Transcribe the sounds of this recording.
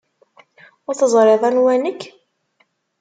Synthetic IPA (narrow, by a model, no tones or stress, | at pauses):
ʊɾθəzˤɾeðˤɑnwænəkː